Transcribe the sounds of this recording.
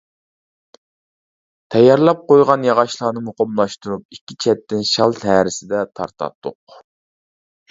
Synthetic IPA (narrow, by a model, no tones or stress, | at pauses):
t̪ʰɛjɑɾlˠɑp̚qojʁɑnjɑʁɑʃlˠɑːnɨmoqʰəmlˠɑʃt̪uɾup̚ikʲːit͡ʃʰɛt̪ːɪnʃɑlˠt̪ʰæɾɪsɪd̪ɛt̪ʰɑ̰ɾt̪ʰɑ̰t̪ʰːʊ̰q